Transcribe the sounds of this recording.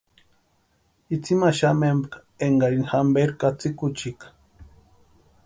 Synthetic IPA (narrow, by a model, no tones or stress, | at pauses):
it͡simaʃamembk | eŋɡaɾinxambeɾkat͡sikut͡ʃik